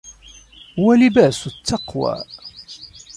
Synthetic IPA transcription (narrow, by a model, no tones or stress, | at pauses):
wælibæsʊt̪ːɑqwa̰